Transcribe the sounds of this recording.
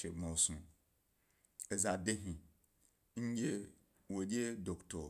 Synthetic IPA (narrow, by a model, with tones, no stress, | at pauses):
e˨mɔ̃˨˦sũ˦ | ɛ˨za˨de˦ɦĩ˨ | ɲ̩˦je˦ | wo˨je˦do˨ktʰɔ˨